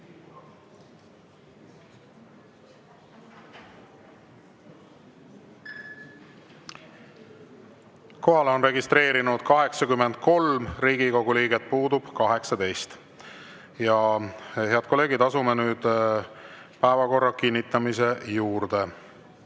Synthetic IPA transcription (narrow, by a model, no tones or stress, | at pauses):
ko̞ɦɑleo̞nre̞ɡist̪ɾe̞ːɾinud̪̥kɑɦe̞ksɑkymːend̪̥̚ko̞lmriːɡ̥iko̞ɡ̥uliːɡet̪̚ːpuːd̪ub̥kɑɦe̞ksɑd̪e̞jst̪ | jɑhe̞ɑd̪̚kolːe̞ːɡid̪ɑsumenyːd̪̥ | pæːvɑko̞rːɑkinʲːit̪ːˑɑmise̞juːɾd̪̥e̞